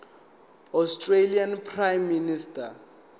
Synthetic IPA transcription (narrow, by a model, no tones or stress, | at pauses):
ɔstʼrelianpʰrajmːinistʼa